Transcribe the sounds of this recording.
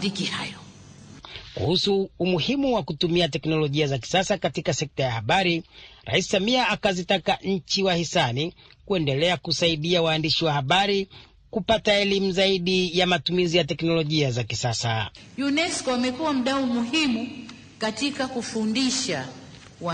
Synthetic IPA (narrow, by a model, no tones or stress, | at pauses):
ikihajɔ | kṵhusuːmuhimuwakutumiatɛknɔlɔʄiazaki̥sasakatikasɛk̚tajahaɓaɾiɾʔa̰isi̥samiaakazitakaʔɲ̩t͡ʃiwahisani | kuɛndɛlɛakusaiɗiawaːndiʃiwahaɓaɾi | kupataɛlimuzaiɗijamatumizijatɛknɔlɔʄiazakisasa | junɛskɔamɛkuwam̩ɗaumuhimu | katikakufundiʃa | wa